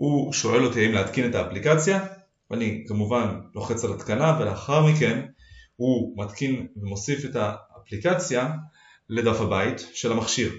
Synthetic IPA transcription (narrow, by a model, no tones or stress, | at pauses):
huʃo̞ʔe̞lot̪iaimleat̪kine̞t̪aːplikat͡sja | vanikamuvanlo̞χet͡salat̪kanaveleaχaʁmike̞n | humat̪kinvemo̞sife̞taːplikat͡sja | le̞dafhabaitʃe̞lamaχʃiʁ